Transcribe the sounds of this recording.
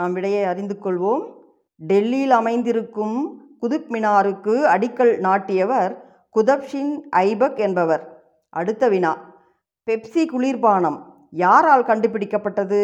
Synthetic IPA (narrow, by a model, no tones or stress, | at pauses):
naːmʋɪɽɐjɐɪɐɾɪnd̪ɯkːɔɭʋoːm | ɖɛlːilɐmɐɪnd̪ɪɾɯkːɯmkʊðʊpmɪnaːɾɯkːɯɐɽɪkːɐɭnaːʈːɪjɐʋɐɾ | kʊðɐpʂɪnʔɐɪbɐkɛnbɐʋɐɾ | ʔɐɽɯt̪ːɐʋɪnaː | pɛpsikʊɭiːɾpaːɳɐm | jaːɾaːlkɐɳɖɯp̬ːɪɽɪkːɐpːɐʈːɐðɯ